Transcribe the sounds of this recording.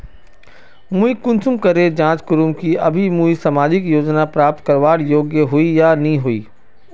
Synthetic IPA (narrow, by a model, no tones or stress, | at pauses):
muikʊ̃nt͡ʃʊmkɐɾed͡ʒãːt͡ʃkʊɾumkiɐbʱimuːisamaːd͡ʒɪkjoːd͡ʒnapɾaːp̚t̪kɐɾʋaːɽjoːɡjəɦoijanɐɦĩɦoːḭː